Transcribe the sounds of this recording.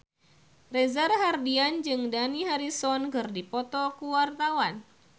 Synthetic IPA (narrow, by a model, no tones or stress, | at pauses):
rɛzarɦardiand͡ʒɨŋdaniɦaɾisɔnkɨrdipɔt̪ɔkuwart̪awan